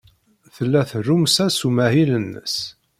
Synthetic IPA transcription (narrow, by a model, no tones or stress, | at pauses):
θəlːæθərumsæsumæhilənːə̰s